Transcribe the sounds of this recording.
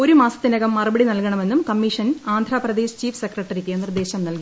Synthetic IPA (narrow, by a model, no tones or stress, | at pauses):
o̞ɾumaːsɐt̪ːinɐɣɐmːɐrubɐɽinɐlkɐɳɐme̞nːumkɐmːiʂɐnaːnd̪ʱɾaːprɐd̪e̞ːɕt͡ɕiːfsekrɐʈːɐɾikːenird̪e̞ːɕɐmnɐlki